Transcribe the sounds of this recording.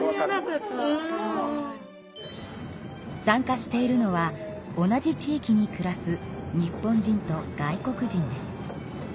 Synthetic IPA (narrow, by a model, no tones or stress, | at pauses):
sãŋkaɕi̥t̪e̞iɾɯ̟no̞βa | o̞nad͡ʑit͡ɕiːkʲiɲ̟ikɯ̟ɾasɨɲ̟ipːõ̞ɲ̟d͡ʑĩnt̪o̞ɡ̥aiko̞kɯ̟ʑĩnd̪e̞sɨ̥